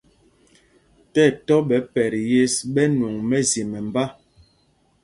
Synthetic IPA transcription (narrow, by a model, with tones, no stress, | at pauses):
tɛ˦˨tɔ˦ɓɛ˨˦pɛ˨ɾje˦sɓɛ˦nu˨ŋmɛ˦zi˨mɛ˨m˨ba˦